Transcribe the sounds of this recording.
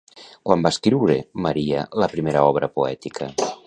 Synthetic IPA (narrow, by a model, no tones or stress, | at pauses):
kwambaskɾiwɾemaɾialəpɾimeɾaɔβɾəpoɛt̪ikʰɐ